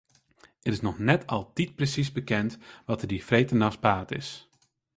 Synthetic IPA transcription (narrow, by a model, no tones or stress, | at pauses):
ɛɾɪsnɔxnɛtʰɔlˠdit̚prəsizbəkɛntʋɔtərdifreːtənaspaːtɪ̰s